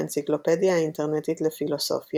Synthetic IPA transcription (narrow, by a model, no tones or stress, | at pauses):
ent͡siklo̞pe̞d̪jaint̪eʁnet̪it̪lefilo̞so̞̰fj